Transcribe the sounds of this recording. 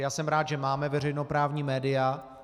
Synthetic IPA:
jaːsɛmɾaːt̪ʒɛmaːmɛvɛr̝ɛjno̞pɾaːvɲiːmɛːdɪa

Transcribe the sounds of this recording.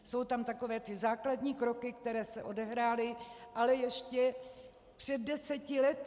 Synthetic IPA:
so̞wt̪amt̪ako̞vɛːt̪ɪzaːkladɲiːkɾo̞kɪkt̪ɛɾɛːsɛʔo̞dɛɦɾaːlɪʔalɛjɛʃcɛ | pr̥ɛd̪̚dɛsɛcɪlɛt̪

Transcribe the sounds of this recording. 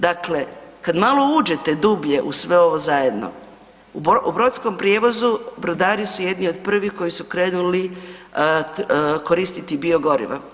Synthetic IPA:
d̪akle̞kad̪malˠo̞uːd͡ʒet̪e̞d̪uːbʎe̞ʔusʋe̞o̞ʋo̞zajed̪no̞̰ | ububɾot̪sko̞mpɾjeːʋo̞zubɾod̪aːɾisuje̞d̪nio̞d̪pr̩ʋixko̞jisukɾe̞ːnuli | ko̞ɾiːst̪it̪ibio̞ɡo̞ɾḭʋa̰

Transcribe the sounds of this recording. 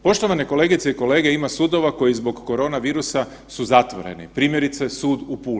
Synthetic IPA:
po̞ʃt̪o̞ʋaneko̞le̞ːɡit̪se̞iko̞le̞ːɡe̞imasuːd̪o̞ʋako̞jizbo̞ɡːo̞ɾo̞ːnaʋiːɾusa | suzat̪ʋo̰ɾe̞̰nḭpɾiːmje̞ɾit̪se̞suːd̪upuː

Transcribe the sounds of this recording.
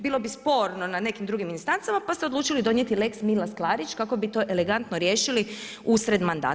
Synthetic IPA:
biːlo̞bispo̞ɾno̞nane̞kimd̪ɾuɡiminst̪ant̪samapast̪eod̪luːt͡ʃilid̪o̞nje̞t̪ile̞ksmilasklˠaːɾit͡ʃkako̞bit̪o̞ʔe̞le̞ɡant̪noɾje̞ːʃili | usɾe̞d̪mand̪a̰ː

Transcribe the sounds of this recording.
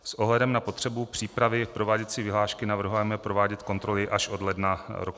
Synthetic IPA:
sʔo̞ɦlɛdɛmnapo̞t̪r̥ɛbupr̝̥iːpɾavɪfpɾo̞vaːɟɛt̪sɪvɪɦlaːʃkɪnavr̩ɦujɛmɛpɾo̞vaːɟɛt̪ko̞nt̪ɾo̞lɪʔaʃʔo̞dlɛdnaɾok

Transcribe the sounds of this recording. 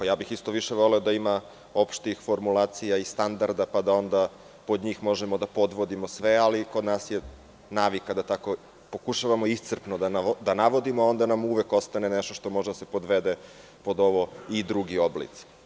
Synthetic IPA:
jaːbixist̪o̞ʋiʃe̞ʋo̞leod̪aima | opʃt̪ixfo̞ɾmulˠaːt̪sijaist̪and̪aɾd̪apad̪ao̞nd̪a | pod̪ɲiːxmo̞ʒemo̞d̪apo̞d̪ʋo̞d̪imo̞sʋealiko̞d̪naːsje | naːʋikad̪at̪ako̞ | po̞kuʃaʋamo̞ist̪sr̩pnod̪anad̪anaʋo̞d̪imoao̞nd̪anamuʋeko̞st̪aneneʃt̪oʃt̪o̞mo̞ʒed̪ase̞pod̪ʋed̪e | po̞d̪o̞ʋo̞id̪ɾuɡioblḭt̪si̥

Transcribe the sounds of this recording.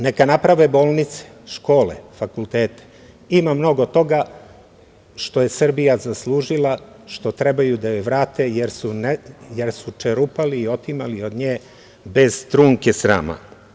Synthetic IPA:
nekanapɾaʋebo̞ːlˠnit̪se̥ | ʃko̞ːlḛfakulˠt̪eːt̪e̥ | imamno̞ɡo̞t̪o̞ɡa | ʃt̪o̞je̞sr̩bijazaslˠuːʒilˠa | ʃt̪o̞t̪ɾe̞bajud̪ajoʋɾaːt̪ejeɾsunejeɾsut͡ʃeɾupaliːo̞t̪imalio̞d̪ɲeː | be̞zt̪ɾuːŋkesɾa̰ːma̰

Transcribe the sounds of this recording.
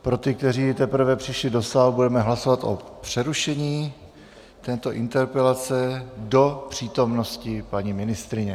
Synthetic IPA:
pɾo̞t̪ɪk̚t̪ɛriːt̪ɛpɾ̩vɛpr̥ɪʃlɪdo̞saːlbudɛmɛɦlaso̞vat̪ʔo̞̰pr̝̥ɛɾuʃɛɲiː | t̪ɛːt̪o̞ʔɪnt̪ɛɾpɛlat͡sɛdo̞pr̝̥iːt̪o̞mno̞scɪpaɲimɪnɪst̪ɾɪɲɛ

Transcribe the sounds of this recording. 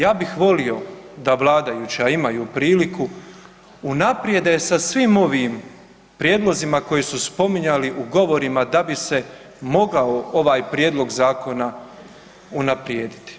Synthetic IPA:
jaːbixʋo̞lio̞d̪aʋlˠaːd̪ajuːt͡ɕaimajuːpɾiːliku | unapɾje̞d̪esasʋiːmo̞ʋim | pɾjeːd̪lˠo̞zimako̞jesuspo̞miɲaliʔuɡo̞ʋo̞ɾimad̪abise̞ | mo̞ɡaoo̞ʋaːjpɾje̞ːd̪lˠo̞ɡzaːko̞na | unapɾjeːd̪it̪i̥

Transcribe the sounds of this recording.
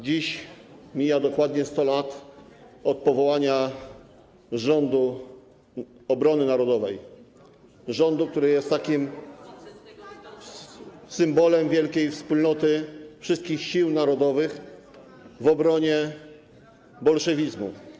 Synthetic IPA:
d͡ʑiɕ | mʲijad̪ɔkwad̪ɲɛst̪ɔlat̪ | ɔt̪̚pɔvɔwaɲa | ʐɔnd̪u | ɔbɾɔnɘnaɾɔd̪ɔvɛj | ʐɔnd̪uk̚t̪uɾɘjɛst̪ːakʲim | sɘmbɔlɛmvʲjɛlkʲejfspulnɔt̪ɘfʂɘst̪kʲixɕiwnaɾɔd̪ɔvɘx | vɔbɾɔɲɛ | bɔlʂɛvʲizmṵ

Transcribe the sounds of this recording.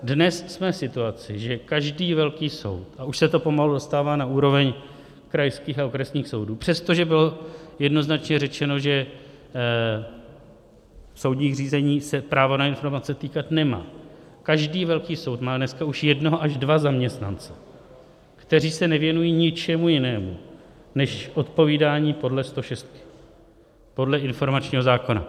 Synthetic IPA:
dnɛssmɛsɪt̪uat͡sɪʒɛkaʒdiːvɛlkiːso̞̰wt̪ʔauʃsɛt̪o̞po̞maludo̞st̪aːvaːnauːɾo̞vɛɲ | kɾajskiːxaokɾɛsɲiːxso̞wduːpr̥ɛst̪o̞ʒɛbɪlo̞jɛdno̞znat͡ʃɲɛrɛt͡ʃɛno̞ʒɛ | so̞wdɲiːɣr̝iːzɛɲiːsɛpɾaːvo̞naɪnfo̞ɾmat͡sɛt̪iːkat̪nɛma̰ː | kaʒdiːvɛlkiːso̞wt̪maːdnɛskauʃjɛdnoɦoʔaʒdvazamɲɛst̪na̰nt͡sɛ | kt̪ɛr̝iːsɛnɛvjɛnujiːɲɪt͡ʃɛmujɪnɛːmṵ | nɛʃʔo̞t̪po̞viːdaːɲiːpo̞dlɛst̪o̞ʃɛst̪kɪ̥ | po̞dlɛʔɪnfo̞ɾmat͡ʃɲiːɦo̞zaːko̞na̰

